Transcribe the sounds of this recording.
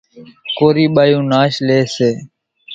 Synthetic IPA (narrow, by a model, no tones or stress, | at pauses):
koːɾiːɓaːjũːnaːʃleːseː